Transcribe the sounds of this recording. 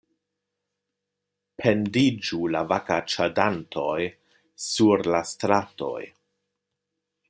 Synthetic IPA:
pʰe̞ndid͡ʒulavakat͡ʃadantʰo̞j | suɾlastɾato̞̰j

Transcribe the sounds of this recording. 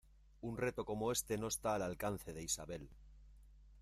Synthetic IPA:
unre̞t̪o̞ko̞mo̞e̞st̪e̞no̞est̪aːlalkan̟θe̞ðe̞isaβ̞e̞l

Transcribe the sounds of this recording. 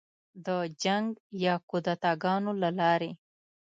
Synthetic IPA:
d̪əd͡ʒaŋɡjɑkud̪at̪ɑɡɑnolalɑɾe

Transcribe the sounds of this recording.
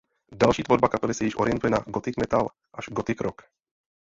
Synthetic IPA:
dalʃiːt̪voɾbakapɛlɪsɛjɪʃʔo̞ɾɪjɛnt̪ujɛnaɡot̪ɪkmɛt̪al | ʔaʒɡot̪ɪkɾok

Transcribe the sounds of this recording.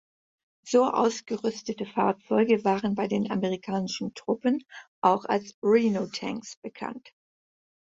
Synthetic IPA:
z̥oːʔa̰ʊsɡ̥əʁʏstətəfa̰ɐtt͡sɔʏɡəvaːʁənbaɪdeːnʔaməʁikʰaːnɪʃn̩tʁ̥ʊpənʔaʊxa̰lsʁiːnotʰɛ̰ŋksb̥əkʰa̰nt

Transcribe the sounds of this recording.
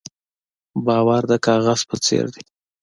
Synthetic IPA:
bɑwaɾd̪əkɑɣaz̥pət͡sḛɾd̪i

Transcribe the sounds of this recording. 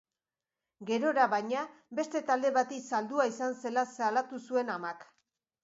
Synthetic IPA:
ɡe̞ɾo̞ɾaβajɲabe̞st̪e̞t̪ald̪e̞βat̪isald̪uaisanse̞lasalat̪usue̞namak

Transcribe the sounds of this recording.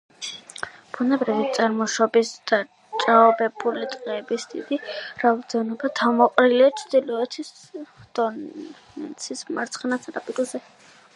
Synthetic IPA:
b̥unɛbɾivit̪sʼaɾmɔʃɔbisd̪̥a | t͡ʃʼaɔbɛbulit̪ʼqʼɛːbisd̪ḭd̪iɾavd̪ɛnɔbat̪ʰamɔqʼɾilɛat͡ʃ̪ʰd̪̥ilɔɛt̪ʰis | d̪̥ɔ | nɛ̰nt̪sʰismaɾt̪sʰχnat̪sʰaɾapʼit̪ʼzɛ

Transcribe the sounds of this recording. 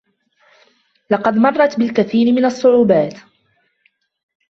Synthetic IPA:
lɑqɑd̪mɑrˤːɑt̪bɪlkaθiːɾɪmɪnasˤːʊʕuːbaːt̪

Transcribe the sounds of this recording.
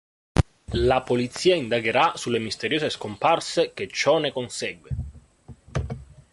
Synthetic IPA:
lapolit̪sːiːaind̪aɡeɾasulːemist̪eɾjoːseskomparsek̟et͡ʃːɔnekonsɛɡwe

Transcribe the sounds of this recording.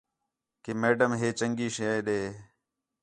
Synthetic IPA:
kemeːɖəmɦeːt͡ʃəŋɡiːʃəɗeː

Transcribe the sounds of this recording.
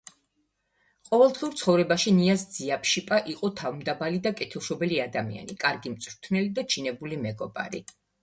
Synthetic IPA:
qʼɔvɛlˠd̪ʁiuɾt̪sʰχɔvɾɛbaʃiniasd̪z̥iapʰʃipʼaʔiqʼɔt̪ʰavmd̪abalid̪akʼɛt̪ʰɛlˠʃɔbɛliad̪amḭa̰nikʼaɾɡimt̪sʼɾt̪ʰnɛlid̪at͡ʃʰinɛbulimɛɡɔba̰ɾḭ

